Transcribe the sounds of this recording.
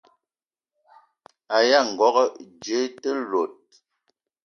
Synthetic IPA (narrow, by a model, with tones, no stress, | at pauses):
a˨ja˦˨ŋ̩˨ɡɔ˦ɣɔ˦d͡ʒə˦tə˦lo˨t̚